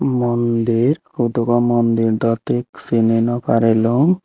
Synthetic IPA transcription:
mɔnd̪iɾ | ud̪uɡɔmɔnd̪iɾd̪ɔt̪eksinenɔpaɾelɔŋ

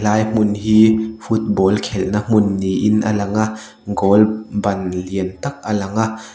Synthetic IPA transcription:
laːjm̥ʊnɦiːfut̪̚bɔːlkʰɛlnam̥ʊnːiʔɪnʔalɐŋa | ɡɔːlbɐnliənt̪ɐk̚ʔalɐŋaʔ

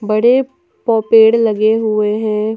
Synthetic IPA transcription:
bəɽe | pɔːpeːɽlɐɡeɦʊeɦɛ̃ː

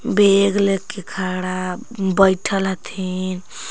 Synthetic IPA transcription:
beɡlekːekʰaɽabəjʈʰəlɦət̪ʰin

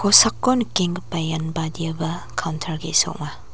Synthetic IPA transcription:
kosakːonkiŋpajanbadiɐbɐkʰawntʰɐɾɡiso̰k̚ma

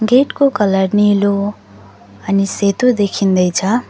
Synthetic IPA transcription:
ɡeʈkokʌləɾnilo | ʌniset̪od̪ekʰind̪ʌjt͡sʰʌ

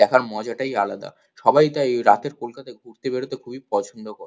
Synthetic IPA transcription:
ɛkʰaɾmɔd͡ʑaʈajalad̪a̰ | ʃɔbajt̪aeɾat̪eɾkolkat̪ajɡʱuɾt̪ebeɾot̪ekʰubipɔt͡ɕʰonɖokoɾ

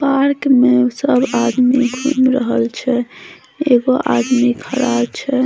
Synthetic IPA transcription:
paɾkmesəbad̪miɡʱṵmɾəɦəlt͡ʃʰɛ | eɡoʔad̪mikʰəɾabt͡ʃʰɛ

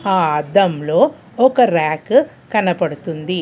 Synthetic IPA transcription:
aːɐd̪ɐmloː | ɔkɐɾaːk | kɐnɐpɐɽut̪und̪i

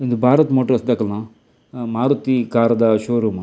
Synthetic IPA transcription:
ind̪ubʱaːɾɐt̪moːʈɐɾɐsd̪aːkɐla | maːɾut̪ikaːɾɐd̪ɐʃoːɾumɐ

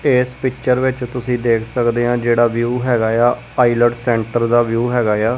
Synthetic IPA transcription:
eːspɪkt͡ʃəɾʋɪt͡ʃt̪ʊsĩːd̪eːkʰsəkd̪eːãːd͡ʒeːɽaːʋjuːɦɛːɡaːjaː | aːiləɖsɛ̃ːɳʈəɾd̪aːʋjuːɦɛːɡaːjaː

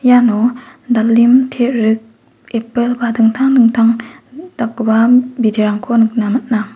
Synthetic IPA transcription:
janɔdalːimtʰeʔɾɯk̚ | epelbadɯŋtʰaŋnɯŋtʰaŋd̥ak̚babideɾaŋkʰonɯk̚namat̚na

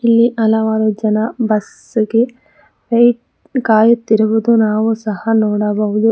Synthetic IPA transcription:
ilːiʔɐlɐʋaːɾud͡ʒɐnɐbɐs | ɡe | ʋejʈ | kaːjut̪ːiɾuʋud̪unaːʋusɐhɐnɔːɽɐbɐɦud̪u

